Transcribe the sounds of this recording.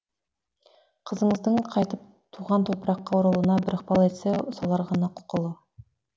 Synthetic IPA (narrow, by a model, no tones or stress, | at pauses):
qʰəzəɴəzd̪əɴqʰɑjt̪əp̚ | t̪ʰuʁɑnt̪ʰo̞pɾɑqːɑwʊɾəlˠənɑbɪɾəq̚pɑlˠe̞t̪seʊsɑlˠɑɾʁɑnɑqʰʊ̥qəlˠə